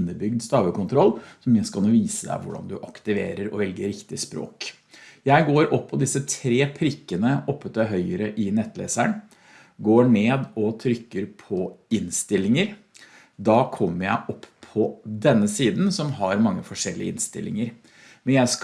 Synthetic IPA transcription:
nːəbʏɡd̪st̪ɑːʋəkʊnt̪ʰɾɔlːsɔmjæɪskɑloːʋiːsəd̪æ̰ɪʋʊ̰ɖɑ̰nd̪ʉʔɑkt̪ɪʋḛːɾəɾɔ̰ʋɛlɡəɾɾɪkt̪ɪspɾo̰ːk | jæɪɡoːɾʔɔpʰːɔd̪ɪsət̪ʰɾeːpʰɾɪkːənəɔpːət̪əɦœʏəɾəʔɪnɛt̪ːlḛːsæɳ | ɡoːɳeːd̪ɔt̪ʰɾʏkːəɾpʰɔɪnst̪ɪlɪŋəɾ | d̪ɑːkʰɔmːəɾjæɪʔɔpːʰɔd̪ɛnːəsiːd̪n̩sɔmɦɑɾmɑŋːəfɔʂɛlːɪəɪ̰nst̪ɪ̰lʔɪ̰ŋəɾ | mɛnjæɪsk

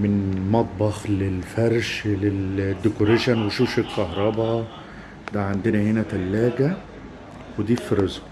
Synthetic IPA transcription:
mɪnmɑt̪̚ˤbɑxlelfæɾˤʃleld̪ːɪkoɾeʃænwɪʃuːʃækkɑhɾˤɑbɑ | d̪æʕand̪ɪnæhenæt̪ælːæːɡæ | wɪd̪iːfɾezb

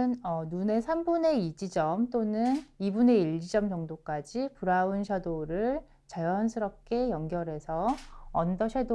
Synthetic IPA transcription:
ɯnʌnune̞sʰambune̞id͡ʑid͡ʑʌmt͈onɯnibune̞iʎːid͡ʑʌmt͡ɕʌŋdok͈ad͡ʑipuɾaunɕʰjadoɾɯɭ | t͡ɕajʌnsʰɯɾʌp̚k͈e̞jʌŋɡjʌɾe̞sʰʌːndʌɕʰado

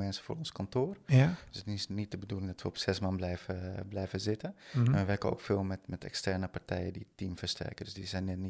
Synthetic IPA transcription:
mɛnsə̥fo̰ːɔnskɔntoərøsətisnit̚dəbədulˠɪŋdɔtʋəɔpsɛsmanblɛjfəblɛjvəzɪtəɛnʋəʋɛrkəo̰ːkfeːlˠmɛtmɛtɛ̰kstɛrnəpartɛjədiətːimfərstʰɛ̰rkədøsdisɛjnɛtni

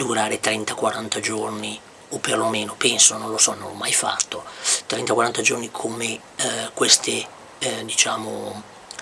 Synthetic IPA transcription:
d̪uɾaːɾet̪ɾɛnt̪akwaɾant̪ad͡ʒorni | opːerlomeːnopɛnsononlosɔnonɔmːajfa̰t̪ːot̪ɾɛnt̪akwaɾant̪ad͡ʒornikʰome | kwest̪e | d̪it͡ʃaːmo

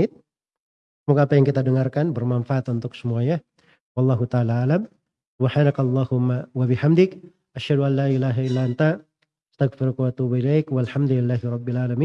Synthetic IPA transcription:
ɪt̪̚ | smukaːpajaŋkit̪adəŋarkanbərmanfaʔat̪unt̪ʊksəmuaɲa | wɑlˠˤːɑɦut̪aalaalam | subħanakɑlˤːɑhʊmːawabɪħamd̪ɪk̚ | ʔaʃhaduʔanlːaːʔilaɦailːaʔant̪a | ast̪aɣfɪɾukwat̪ubailajkwalħamd̪ulɪlːaɦiɾˤɑbːɪalʕalamiː

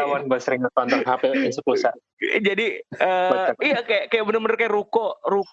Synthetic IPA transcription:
awanbusəɾiŋət̪ɔnt̪ɔŋɦapeinsəkusa | d͡ʒadiəijakajakajaʔbənərmənərkajaɾukoruk

